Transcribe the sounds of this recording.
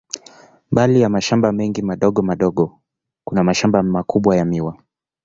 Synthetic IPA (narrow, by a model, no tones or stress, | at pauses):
mbalijamaʃambamɛŋɡimaɗɔɠɔmaɗɔɠɔ | kunamaʃambamakuɓwajamiwa